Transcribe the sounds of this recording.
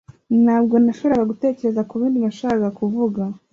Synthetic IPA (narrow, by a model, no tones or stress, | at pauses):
naːbɡo̞naʃoβiɾaβaɡute̞ːce̞ɾe̞zakuβiːndinaʃaːkakuvuɡa